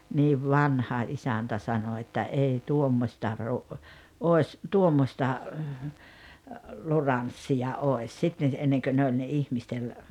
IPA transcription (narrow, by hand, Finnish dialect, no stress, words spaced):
niːʋ ʋɑnhɑ isæntæ sɑno etːæ ei tuomːosʲtɑ ru oˑes tuomːostɑ lurɑnsːijɑ oes sitːen̞ enːeŋkø ne olʲ ne ihmistel